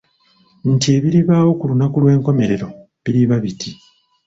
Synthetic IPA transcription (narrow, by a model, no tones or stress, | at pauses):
ntie̞ːβiɾiβaːwo̞kulunakulwe̞ːŋko̞me̞ɾe̞ɾo̞ | βiɾiβaβitʰi